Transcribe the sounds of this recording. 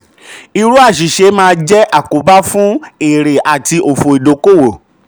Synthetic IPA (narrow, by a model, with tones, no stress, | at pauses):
i˧ɾu˦a˦˨ʃ̬i˨ʃe˧˦mãː˧˦d͡ʒɛ˦ʔa˦˨ko˨˦ba˦fũ˦e˨ɾe˨ʔa˨ti˧ʔo˨fo˨i˨do˨˦ko˦˨wo˨